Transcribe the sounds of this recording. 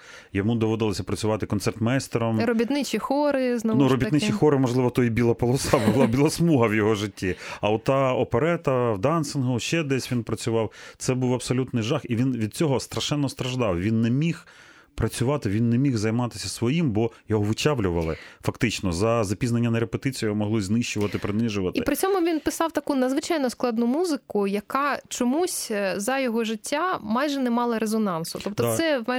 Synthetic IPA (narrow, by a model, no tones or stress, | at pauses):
jɔmud̪ɔʋɔd̪ɪlˠɔsʲɐpɾɐt͡sʲʊʋɑt̪ɪkɔnsɛrt̪mɛjst̪ɔɾɔmɾɔbʲit̪nɪt͡ʃixɔɾɪznɔnuɾɔbʲit̪nɪt͡ʃixɔɾɪmɔʒlˠɪʋɔt̪ɔjibʲilˠɐpɔlˠɔsɑbʊlˠɑbʲilˠɐsmuɦɐwjɔɦɔʒɪtʲʰːiɐɔt̪ɑɔpeɾɛt̪ɐwd̪ɑnsɪnɦʊʃt͡ʃɛd̪ɛsʲʋʲinpɾɐt͡sʲʊʋɑwt̪sɛbuwɐpsɔlʲut̪nɪjʒɑxiʋʲinʋʲid̪̚t͡sʲɔɦɔst̪ɾɐʃɛnːɔst̪ɾɐʒd̪ɑwʋʲinːemʲix | pɾɐt͡sʲʊʋɑt̪ɪʋʲinːɛmʲiɣzɐjmɑt̪ɪ̥sʲɐsʋɔjimbɔjɔɦɔʋʊt͡ʃaʋlʲʊʋɐlˠɪfɐkt̪ɪt͡ʃnɔzɐzɐpʲiznɐnʲːɐnɐɾepet̪ɪt͡sʲijɦɔmɔɦlˠɪzʲnɪʃt͡ʃʊʋɐt̪ɪpɾɪnɪʒʊʋɐt̪iɪpɾɪt͡sʲɔmʊʋʲinpɪsɑwt̪ɐkunɐd̪zʋɪt͡ʃɑjnɔsklˠɑd̪nʊmuzɪkʊjɐkɑt͡ʃɔmusʲzɐjɔɦɔʐɪtʲːamɑjʒɛnɛmɑlˠɐɾezɔnɑnsʊ̥t̪ɔpt̪ɔsɛ